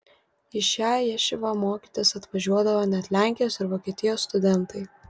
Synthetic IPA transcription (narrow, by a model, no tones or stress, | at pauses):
ɪʃʲæːjɛʃʲɪʋɐmoːkʲiːt̪ʲesɐt̪ʋɐʒʲuɔd̪ɐʋoːnʲɛt̪ʲlʲæˑŋʲkʲɪjoːsɪɾʋoːkʲiɛt̪ʲɪjoːsːt̪ʊd̪ʲɛnt̪ɐɪ